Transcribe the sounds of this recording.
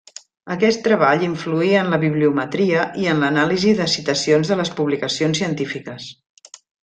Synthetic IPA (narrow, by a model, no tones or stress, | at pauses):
əkɛst̪ːɾəβaʎiɱfluiənləβiβliumət̪ɾiəʔiənlənaliziðəsit̪əsionzðələspuβlikəsionsiənt̪ifikəs